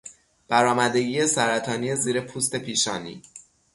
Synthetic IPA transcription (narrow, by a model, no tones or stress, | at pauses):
b̥æɾɒːmæd̪e̞ɡiːje̞sæɾæt̪ʰɒːniːe̞ziːɾe̞pʰuːst̪e̞pʰiːʃɒːnḭː